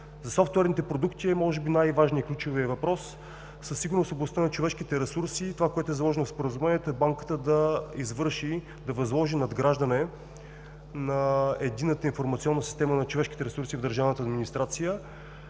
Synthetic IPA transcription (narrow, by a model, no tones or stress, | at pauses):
zɐsɔft̪ʊɛɾnit̪ɛpɾod̪ukt̪iɛmɔʒɛbinajvaʒniiklʲut͡ʃoviəvɐpɾɔsː | əsːiɡʊɾnosoblˠɐst̪anɐt͡ʃovɛʃkit̪ɛɾɛsuɾsit̪ovakoɛt̪ʊɛzɐlˠɔʒɛnofspoɾəzumɛniɛt̪oɛbaŋkə̥t̪əd̪ɐizvɤɾʃi | d̪ɐvɐzlˠɔʒinɐd̪ɡɾaʒd̪ənɛ | nɐɛd̪inːət̪əinfoɾmɐt̪siɔnːəsist̪ɛmənɐt͡ʃovɛʃki̥t̪ɛɾɛsuɾsivd̪əɾʒavnt̪əɐd̪minist̪ɾat̪sijə